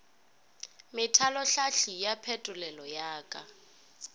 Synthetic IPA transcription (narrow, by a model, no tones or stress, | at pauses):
mɪtʰalɔɬaɬijapʰɛtʼʊlɛlɔjaːkʼa